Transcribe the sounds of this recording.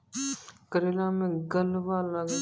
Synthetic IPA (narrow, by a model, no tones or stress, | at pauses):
kəɾeːlãːmẽɡəlʋaːləɡ